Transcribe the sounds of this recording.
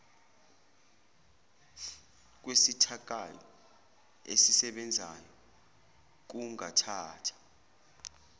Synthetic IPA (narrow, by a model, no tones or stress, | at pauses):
k̬wesitʰak̬ʼajɔ̰ | ḛsisɛɓɛnd͡zʱa̰jɔ | k̬uŋa̰tʰaːtʰḁ